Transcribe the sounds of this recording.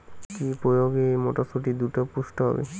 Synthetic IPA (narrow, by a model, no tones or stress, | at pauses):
kipɾojoɡemoʈosoʈid̪uʈopusʈɔɦɔ̰bḛ